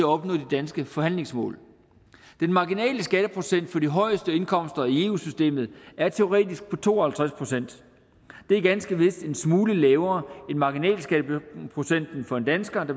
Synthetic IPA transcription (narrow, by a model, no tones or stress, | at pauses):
æɒ̽b̥nɔ̰̽ːðdid̥ænsɡ̥əfɒ̽ɦæn̰le̝ŋsmɔ̰̽ːl | d̥enmɑ̈ɡinɛ̰ːləsɡ̥æɾəpʰʁo̝sen̰d̥fɒ̽diɦɒ̽ɪ̰əsd̥əe̝nkʰɒ̽m̰sd̥ɐie̝ːuːsysd̥e̝̰ːmð̩ˠæɐt͡sʰe̝o̝ʁɛ̰ːd̥isɡ̥̚pʰɒ̽t͡sʰo̝̰ːɐhælt͡sʰʁaspʰʁo̝sen̰d̥ | d̥e̝æɐɡ̥ænsɡ̥əʋe̝sd̥e̝nsmuːləlɛːʊɐːe̝nmɑ̈ɡinɛ̰ːlsɡ̥æɾəpʰʁo̝sen̰d̥n̩fɒ̽e̝nd̥ænsɡ̥ɐd̥ɑ̈